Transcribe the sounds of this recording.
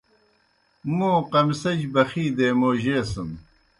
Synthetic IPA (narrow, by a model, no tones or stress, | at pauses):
mõːqɐmsɐd͡ʑbɐxiːd̪eːmoːʑeːsɐm